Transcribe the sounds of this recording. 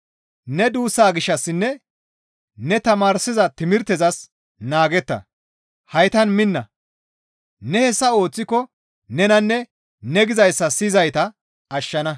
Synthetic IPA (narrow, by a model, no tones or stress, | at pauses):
nɛd̪uːsːaːɡɪʃːɐsːɪnːɛ | nɛt̪ɐmaːɾsɪzɐt̪ɪmɪɾt̪ɛzɐs | naːɡɛt̪ːɐ̰ | hɐjt̪ɐnmɪnːɐ | nɛhɛsːɐo̞ːt͡sːɪkːɔ | nɛnɐnːɛ | nɛɡɪzɐjsːɐsizɐjt̪ɐː | ʃːɐnɐ